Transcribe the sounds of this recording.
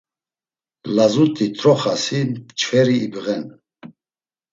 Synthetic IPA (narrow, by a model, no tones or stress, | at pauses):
lazut̪ʼit̪ʰʼɾɔχasit͡ʃʰfɛɾiːbʁɛn